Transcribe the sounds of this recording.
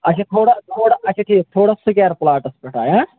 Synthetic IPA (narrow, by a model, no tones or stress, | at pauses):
ɐt͡ʃʰɐt̪ʰoːɽɐt̪ʰoːɽɐɐt͡ʃʰiʈʰiːt̪ʰoːɽɐsukaːɾplaːʈɐspeʈʰaːjã